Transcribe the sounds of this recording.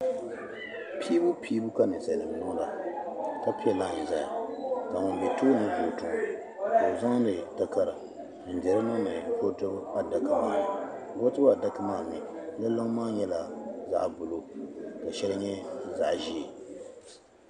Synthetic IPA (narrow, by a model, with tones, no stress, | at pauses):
pʰiː˦bu˦pʰiː˦bu˦ka˦nɨ˨sa˨nɨ˨m˨nʊ˦ŋ˦la˨ka˦pi˦ɛ˦la˦˨ɲɪ˨za˦ja̰˨ka˨ŋʊ˨n˨bɛ˨toː˦nɨ˦bo˨tʊ˨ŋ˨ | bo˨za˦ŋ˦nɨ˨ta˦ka˦˨ɾɨ˨ | n̩˨dɛ˨ɾɨ˦nʊ˦nɨ˨bo˦to˦ba˦da˨ka˨maː˦˨ | bo˦tɨ˦ba˨da˦ka˦maː˦˨mɪ˨la˦lo˦ŋ˦maː˦ɲɛ˦la˨za̰˦˨ʔbʊ˨lo˦ka˨ʃɛ˦lɨ˦ɲɛ˦za̰˨ʔʒi˦˨